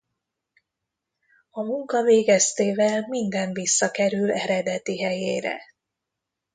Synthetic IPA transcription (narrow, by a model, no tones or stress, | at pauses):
ɒmuŋkɒveːɡɛst̪eːvɛlmind̪ɛɱvisːɒkɛɾylɛɾɛd̪ɛt̪iɦɛjeːɾɛ̰